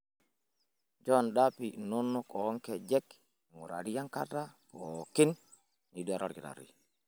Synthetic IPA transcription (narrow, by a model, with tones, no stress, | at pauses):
d͡ʒɔ˦ndapi˨no˦nːɔkɔ˨˦ŋkɛ˨d͡ʒɛ˦k | ŋu˨ɾa̰˨ɾi˦ja˦ŋka̰˦da˦poki˦n | ni˨du˦a˨ɾʔa̰˦ɾɡi˨ɾa̰˨ɾḭ˨